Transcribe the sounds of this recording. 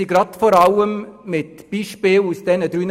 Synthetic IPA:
iɡɾɑt̪fɔɾɑʊəmmɪt̪b̥iːʃpeːlusd̪̥ɛnəd̪ɾyn

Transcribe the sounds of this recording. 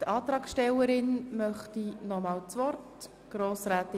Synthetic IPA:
tɑːt̪ɾɑːkʃtɛwəɾɪnmœχtinɔmɑːlt͡sʋɔrt | ɡ̥ɾoːsɾæːt̪ɪ

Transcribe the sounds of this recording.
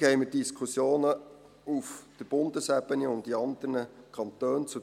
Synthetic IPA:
hɛɪmədiskχusjoːnə | ufd̥əb̥ʊnd̪əsæbəniʊntdiɑnd̪əɾnəkʰɑnt̪øːnt͡su

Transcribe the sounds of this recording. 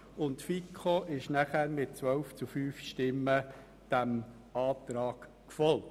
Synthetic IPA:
ʊntfikʰoʔɪʃnæχæɾmɪt̚t͡sʋœlft͡sufyːfʃtɪmːə | d̥æm | ɑːt̪ɾɑːk | kfɔl

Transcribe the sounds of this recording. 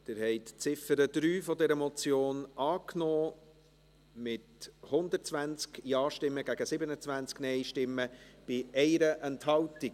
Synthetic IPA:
d̥ɪːɾhɛɪtt͡sɪfəɾəd̥ɾyːfɔdɛɾəmɔt͡sjoːnɑːknɔː | mɪthʊnd̪ət͡svænt͡skjɑːʃtɪmːəɡæɡəsɪbənət͡svænt͡sknɛɪʃtɪmːəb̥ɪɛɪɾəʔɛnthɑlti

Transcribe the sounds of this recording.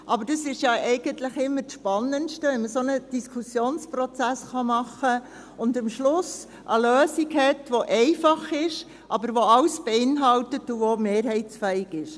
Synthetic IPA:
ʔɑbəɾd̥ɑsɪʃjɑʔɛɪɡ̥ənt̪lɪχɪmːəɾtʃpɑnːənʃtəʋɛɪməsonəd̥iskʰusjoːnspɾɔt͡sæsχɑmɑχə | ʊndɪmʃlʊs | ʔəløːsikhɛtʋoʔɛɪfɑχɪʃ | ʔɑbəɾʋoɑlsb̥eɪnɦɑltətuvomeːɾɦɛɪsfɛɪɡɪʃ

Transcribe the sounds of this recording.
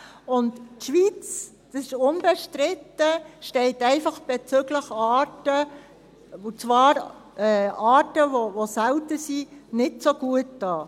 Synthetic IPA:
ʊntʃʋit͡s | d̥ɑsɪʃʊnbɛʃtɾɪtːəʃtɛɪtɛɪfɑχb̥ɛt͡sʏɡləχɑːtə | ot͡svɑːɾɛɑːtəvovosæltəsinɪtsoɡ̥uət̚d̥ɑː

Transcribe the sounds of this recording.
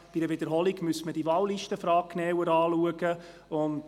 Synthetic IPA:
b̥idəvʋɪd̪əɾɦɔlɪɡmyəsməd̥iʋɑwliʃtəfɾɑːkkːnɛːwəɾɑːluəɡə | ʊnt

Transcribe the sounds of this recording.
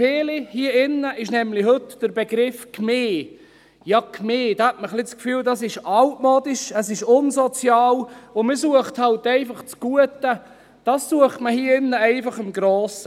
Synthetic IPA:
feːlihiəɪnːəʔɪʃnɛmlɪɦɵtd̥əɾbeɡɾɪfkmeː | jɑːkʰmeːd̥ɑːhɛtməχlɪt͡skfyːldɑsɪʃɑltmoːd̥̪ɪʃəsɪʃʊnsɔt͡sjɑːlʊmisuəχthɑltɛɪfɑχt͡sɡ̥uət̪ə | d̥ɑssuəχtməhiəɪnːəɛɪfɑχɪmɡɾoːsə

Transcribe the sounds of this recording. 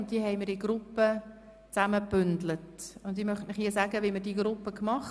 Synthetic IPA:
nt̚d̥iəɦɛɪmɪɾɪɡɾʊpːə | t͡sæməpʏndlətʊndɪmœχtnɪχiəsæɡəʋiməɾdiɡɾʊpːəkmɑχ

